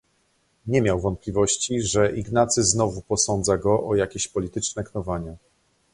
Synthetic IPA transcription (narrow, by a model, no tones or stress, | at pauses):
ɲɛmʲjawvɔnt̪̚pʲlʲivɔɕt͡ɕiʐɛʔiɡnat̪sɘznɔvupɔsɔnd̪zaɡɔʔɔjakʲeɕpɔlʲit̪ɘt͡ʂnɛknɔvaɲa